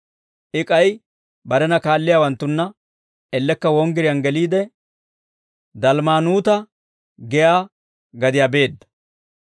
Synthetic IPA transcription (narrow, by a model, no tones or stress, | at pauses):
ʔɪkʼɐj | bɐɾɛnɐkaːlːɪjaːwɐnt̪ːʊnːɐ | ɛlːɛkːɐwɔŋɡɪɾɪjɐnɡɛliːd̪ɛ | d̪ɐlmaːnuːt̪ɐ | ɡɛjaː | ɡɐd̪ɪjabe̞ːd̪ːɐ̥